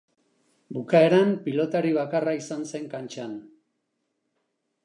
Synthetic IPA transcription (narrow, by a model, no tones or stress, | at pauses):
bukae̞ɾampilo̞t̪aɾiβ̞akaraisanse̞ŋkant͡ʃan